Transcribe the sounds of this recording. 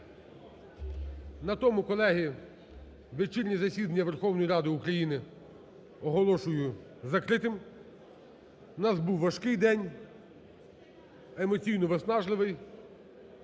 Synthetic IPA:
nɐt̪ɔmʊkɔlˠɛɦi | ʋet͡ʃilʲnʲizɐsʲid̪ɐnʲːɐʋerxɔwnɔjiɾɑd̪ɪukɾɐjinɪ | ɔɦɔlˠɔʃʊjʊ | zɐkɾɪt̪ɪm | nɑsbuwʋːɐʃkɪjd̪ɛnʲ | emɔt͡sʲijnɔʋesnɑʒlˠɪʋɪj

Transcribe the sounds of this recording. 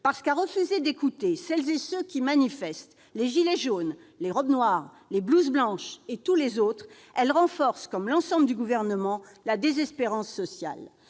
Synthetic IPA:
paʁsə̥kaʁəfyzed̪ekut̪esɛlzesøkʲimanifɛst̪ | leʒileʒonleʁɔbnwaʁ | lebluzblɑ̃ʃet̪ulezot̪χ | ɛlʁɑ̃fɔʁskɔmlɑ̃sɑ̃bld̪yɡuvɛʁnəmɑ̃ | lad̪ezɛspeʁɑ̃sːɔsja̰l

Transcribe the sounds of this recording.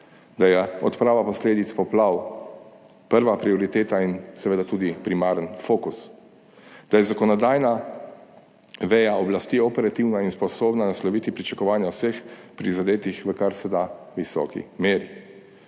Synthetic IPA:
d̪ajɛɔt̪pɾaːʋapɔsleːd̪it̪spɔplaw | pəɾʋapɾiɔɾit̪eːt̪ainsɛʋeːd̪at̪uːd̪ipɾimaːɾənfokus | d̪̥ajɛzakɔnɔd̪aːjna | ʋɛjaɔblast̪iɔpɛɾat̪iwnainspɔsoːbnanaslɔʋit̪ipɾit͡ʃakɔʋaːnjawsexpɾizad̪eːt̪ixʋəkaɾsɛd̪a | ʋisɔ̰ːkḭmeːɾi

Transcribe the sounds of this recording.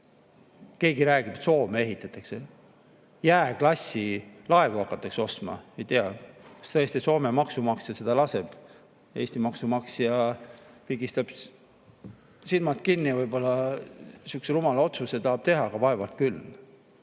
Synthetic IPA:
ke̞ːɡiɾæːɡ̥ib̪so̞ːmee̞ɦit̪ːˑɑt̪ːˑɑkse | jæːklɑsʲːilɑe̞vuɑkːˑɑt̪ːˑɑkseo̞st̪mɑ̰e̞jt̪eɑkɑ̥st̪ɤjest̪iso̞ːmemɑksumɑksjɑse̞d̪̥ɑlɑse̞b̥ | e̞ːst̪imɑksumɑksjɑpiɡist̪ɑb̥ | silmɑt̪̚kinːivɤjb̥o̞lːɑ | sykselumɑlɑo̞t̪suset̪ɑːb̥t̪e̞ɦɑɡ̥ɑvɑe̞vɑlt̪̚kylː

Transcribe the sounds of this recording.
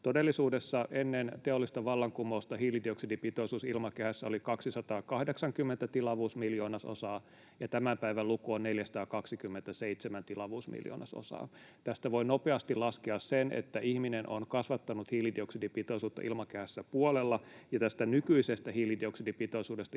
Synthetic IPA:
t̪odelːisuːdesːɑʔenːent̪eolːist̪ɑʋɑlːɑŋkumoust̪ɑhiːlidioksidipit̪oisuːsilmɑkehæsːæolikɑksisɑt̪ɑːkɑhdeksɑŋkymːent̪æt̪ilɑʋuːsmiljoːnɑso̰sɑː | jɑt̪æmæmpæiʋælukuonneljæsɑ̥t̪ɑːkɑksikymːent̪æseit̪semænt̪ilɑʋuːsmḭljo̰ːnɑ̰so̰sɑ̰ː | t̪æst̪æʋoinopeɑst̪ilɑskeɑssenʔḛt̪ːæʔihminenʔo̰nkɑsʋɑt̪ːɑnut̪hiːlidioksidipit̪oisuːt̪ːɑ̰ʔilmɑkehæsːæpuolelːɑjɑt̪æst̪ænykyisest̪æhiːlidioksidipit̪oisuːdest̪ɑ

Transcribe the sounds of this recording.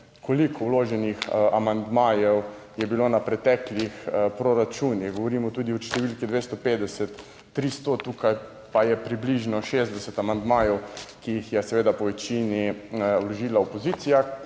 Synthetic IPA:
kʰolikʰɔwloːʒɛnixamand̪maːjɛw | jɛbiloːnapɾɛt̪ɛklixpɾoɾat͡ʃuːnixɡɔʋɔɾimɔt̪ud̪iɔʃt̪ɛʋilkid̪ʋest̪ɔpeːd̪ɛsɛt̪ː | ɾist̪ɔt̪uːkaj | pajɛpɾibliʒnɔʃezd̪ɛsɛt̪amand̪maːjɛwkijixjɛsɛʋeːd̪apɔʋɛt͡ʃiniwlɔʒiːlaopɔzit̪sija

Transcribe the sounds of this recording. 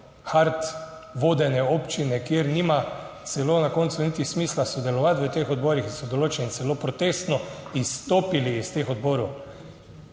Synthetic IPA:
xaɾt̪ | ʋoːd̪ɛnɛoːpt͡ʃinɛkjeɾniːmat̪sɛloːnakoːnt̪sunit̪ixsmiːslasod̪ɛlɔʋat̪ʋət̪exɔd̪bɔːɾixisɔd̪oloːt͡ʃɛnsɛlopɾɔt̪est̪nɔist̪oːpiliːst̪exɔd̪bɔːɾo

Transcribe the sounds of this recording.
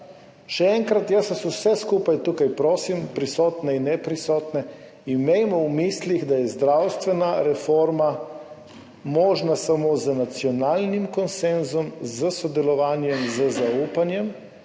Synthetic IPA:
ʃɛɛŋkɾat̪jassusɛskuːpajt̪uːkajpɾoːsimpɾisɔːt̪nɛinːɛpɾisɔːt̪nɛ | imejmɔwmisliɣd̪ajɛzd̪ɾawst̪ʋɛnaɾɛfɔːɾma | mɔːʒnasamozənat̪sjɔnaːlnimkɔnsɛnzɔmzəsɔd̪ɛlɔʋaːnjɛmzəzauːpanjɛm

